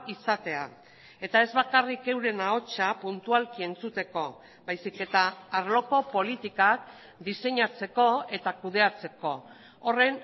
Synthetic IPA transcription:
isat̪e̞a̰ | e̞t̪ae̞zβakarike̞wɾe̞nao̞t͡ʃapunt̪ualkie̞nt͡sut̪e̞ko̞ | bajsike̞t̪aːɾlo̞ko̞po̞lit̪ikak | d̪ise̞ɲat͡se̞ko̞e̞t̪akuð̞e̞at͡se̞ko̞ː | re̞n

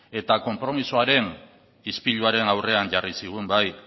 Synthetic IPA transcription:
e̞t̪ako̞mpɾo̞misoaɾe̞n | ispiʎuaɾe̞nawre̞aɲʝarisiɣ̞umbaj

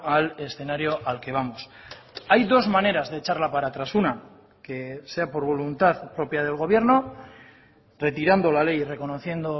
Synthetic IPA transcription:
ale̞sθe̞naɾjo̞ʔalke̞β̞amos | ajðo̞zmane̞ɾazðe̞ːt͡ʃaɾlapaɾat̪ɾasuna | ke̞se̞apo̞ɾβ̞o̞lunt̪aðpɾo̞pjað̞e̞lɣo̞β̞je̞ɾno̞ | re̞t̪iɾand̪o̞lale̞jre̞ko̞no̞θje̞nd̪o̞

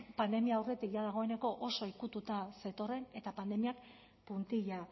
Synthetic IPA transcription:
pand̪e̞miaːwre̞t̪ikʝaðaɣ̞o̞e̞ne̞ko̞ʔoso̞ikut̪ut̪ase̞t̪o̞re̞ne̞t̪apand̪e̞miak | punt̪iʎa

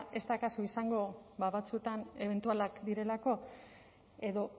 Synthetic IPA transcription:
e̞st̪akasuisaŋɡo̞βaβat͡sue̞t̪ane̞βe̞nt̪ualakd̪iɾe̞lako̞ | e̞ðo̞

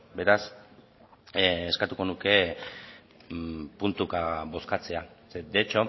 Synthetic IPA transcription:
be̞ɾas | skat̪uko̞nuke̞ | punt̪ukabo̞skat͡se̞ased̪et͡ʃo

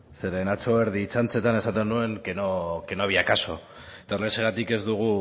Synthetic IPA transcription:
se̞ɾe̞nat͡so̞eɾð̞iːt͡sant͡se̞t̪ane̞sat̪̬enue̞ŋkenokenoβiakaso̞ | et̪aoɾleseɣ̞at̪ike̞zd̪uɣ̞u

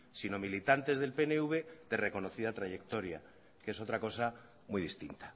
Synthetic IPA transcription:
sino̞milit̪ant̪e̞zðe̞lpeneuβ̞eðere̞ko̞noθið̞at̪ɾaʝe̞k̚t̪o̞ɾja̰ | ke̞so̞t̪ɾako̞sa | mujðist̪int̪ḁ

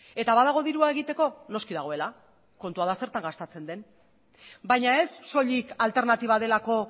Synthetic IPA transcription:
e̞t̪aβaðaɣ̞o̞ðiɾuaeɣ̞it̪e̞ko̞no̞skiðaɣ̞o̞e̞la | ko̞nt̪uað̞ase̞ɾt̪aŋɡast̪at͡se̞nd̪e̞n | bajɲae̞sːo̞ʎikalt̪e̞ɾnat̪iβ̞að̞e̞lako̞

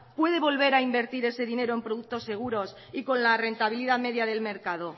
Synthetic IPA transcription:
pwe̞ð̞e̞βo̞lβe̞ɾaimbe̞ɾt̪iɾe̞se̞ðine̞ɾoe̞mpɾoðuk̚t̪o̞sːe̞ɣ̞uɾo̞s | iko̞nlare̞nt̪aβ̞iliðame̞ðjaðe̞lme̞ɾkaðo̞

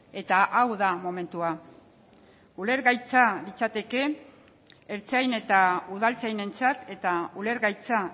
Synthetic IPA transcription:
e̞t̪aʔawðamo̞me̞nt̪ua | ule̞ɾɣajt͡salit͡sat̪e̞ke̞ | eɾt͡sajne̞t̪auð̞alt͡sajne̞nt͡sat̪e̞t̪aule̞ɾɣajt͡sa

